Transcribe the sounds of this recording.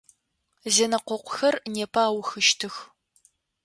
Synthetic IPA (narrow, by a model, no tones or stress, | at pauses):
zeːnɐqʷɔqʷʊxɐrneːpʰaːwxɨʃtʰɨx